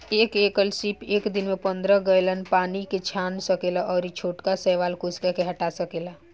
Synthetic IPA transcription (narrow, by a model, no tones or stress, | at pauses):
eːkeːkəlsiːpeːkd̪ɪnmẽpə̃nd̪ɾəɡəjlənpaːniket͡ʃʰaːnsəkeːlaʔɔːɾit͡ʃʰoːʈkasɛːʋaːlkʊskekeɦɐʈasəkeːla